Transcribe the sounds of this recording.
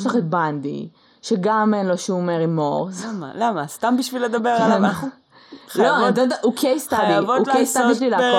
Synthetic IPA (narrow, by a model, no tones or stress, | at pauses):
ʃlaχet̪̚band̪ḭ | ʃeɡamenloʃmeʁimːoʁsa̰lamast̪ambiʃviled̪abeʁala | loit̪od̪aʔukʰejst̪abjiavoulkejst̪abiʃlilaːo